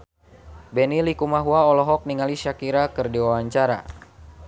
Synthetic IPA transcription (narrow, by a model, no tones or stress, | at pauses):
bɛnilikumaɦuaɔlɔɦɔk̚niŋaliʃakiɾakɨrdiwawaɲt͡ʃaɾa̰